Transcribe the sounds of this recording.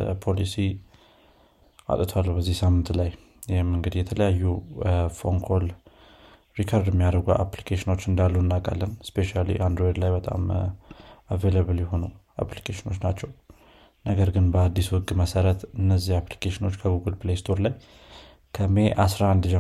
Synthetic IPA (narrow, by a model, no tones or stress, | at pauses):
pʰo̞lisi | ʔa̰t̪ʼt̪ʰwalːubəzːihsamːɨnt̪laj | jɛmːɨŋɡɨd̪jɛt̪ʰələjajːufo̞ŋkʰol | ɾikʰaɾd̪ɛmːijaɾəɡuʔa̰plikʰeʃɪno̞t͡ʃːɨnd̪alːunːakʼa̰lːənspʰe̞ʃalḭʔand̪ɾojd̪lajbət̪ʼa̰m | aveləβɨljɛɦo̞nu | a̰plikʰeʃɪno̞t͡ʃnat͡ʃːɛw | nəɡəɾɡɨnbəad̪ːiswɔɡʼməsəɾət̪ɨnːəzːihapli̥kʰeʃɪno̞t͡ʃːkʰəɡuɡɨlplest̪ʰo̞ɾlaj | kʰəme̞ʔasɾaand̪d͡ʒɛ